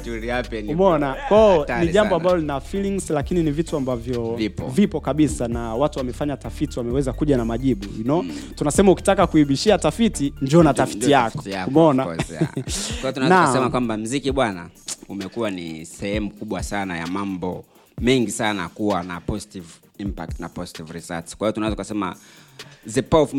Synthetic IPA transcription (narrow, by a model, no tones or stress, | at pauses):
tuɾiapɛnkumɔnakwaɔniʄambɔambalɔlinafiliŋzlakininivituambavjɔvipɔvipɔkaɓisanawatuwamɛfaɲatafitiwamɛwɛzakuʄanamaʄiɓuunɔtunasɛmauki̥takakuiɓiʃiatafitiɲd͡ʒiɔnatafitijakɔtaumɛɔna | waiɔtunaɛznaasɛmakwambam̩zikiɓwana̰umɛkuwanisɛhɛm̩kuɓwasanaja̰mambɔ | mɛŋɡisanakuwanapɔzitiv | impa̰k̚tna̰pɔzitivɾisa̰skwaijɔtunaɛzakasɛma̰ | zɛpaf